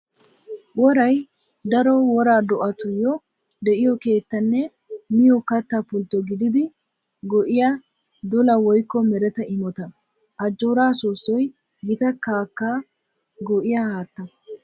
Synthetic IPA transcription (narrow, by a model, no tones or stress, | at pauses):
wɔɾɐj | d̪ɐɾɔwɔɾaːd̪ɔʔɐt̪ʊjɔ | d̪ɛʔɪjɔke̞ːt̪ːɐnːɛmɪjɔkɐt̪ːapʊlt̪ːɔɡɪd̪ɪd̪ɪ | ɡɔʔɪja | d̪ɔlɐwɔjkːɔmɛɾɛt̪ɐɪmɔt̪ɐ | ʔɐd͡ʒːoːɾaːsuːsːɔj | ɡɪt̪ɐkaːkːa | ɡɔʔɪjahaːt̪ːɐ